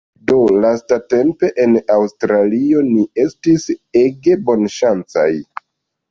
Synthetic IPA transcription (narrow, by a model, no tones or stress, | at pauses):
do̞lastate̞mpe̞ʔenawstɾalio̞nie̞stise̞ɡe̞bo̞nʃant͡sa̰j